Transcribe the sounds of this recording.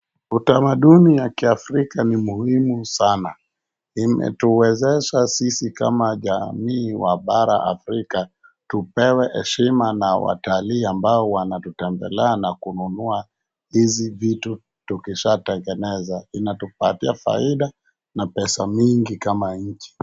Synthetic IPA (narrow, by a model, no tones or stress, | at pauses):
utamaɗunijakiafɾikanimuhimusana | imɛ̰tuwɛzɛʃasisika̰maʄamiːwaɓaɾa̰ʔa̰fɾika | tupɛwɛhɛ̰ʃimanawa̰taliːambaɔwanatutɛmbɛ̰lɛanakununua | hizivitu | tukiʃatɛŋɡɛnɛzainatupatiafa̰iɗa | napɛsamiŋɡikamaɲ̩t͡ʃi̥